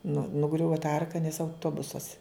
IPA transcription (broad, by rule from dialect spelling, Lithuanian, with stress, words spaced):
nʊ nʊˈɡrʲʊʋɐ tɐ ˈɐrkɐ nʲɛs ɐʊˈtoːbʊsɐs